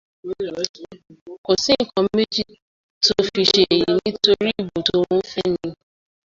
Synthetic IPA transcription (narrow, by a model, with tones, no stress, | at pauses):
ko˨sĩ˦ŋ̩˨kɔ̃˨˦me˦d͡ʒi˦˨ | to˧fi˧ʃe˦˨ji˨˦nĩ˦to˦ɾi˦˨bo˨to˧õ˦fɛ˦nĩ˧